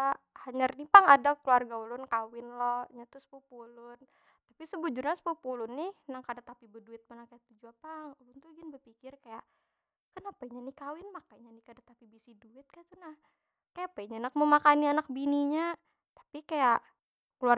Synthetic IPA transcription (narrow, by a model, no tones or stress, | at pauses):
a | haɲarnipaŋadakəluarɡaulʊnkawɪnlɔhɲat̪uspupulʊn | t̪apisəbud͡ʒurɲaspupulʊnːɪhnaŋkadat̪apibəduɪt̪̚malaŋkajat̪ud͡ʒuapaŋubuŋt̪uɡinbəpikɪrkajaʔ | kənapaiɲanikawɪnmakaɲanikadat̪apibisiduɪt̪̚kat̪unah | kajapaiɲanak̚məmakanianak̚biniɲa | t̪ḁpikajaʔ | kluar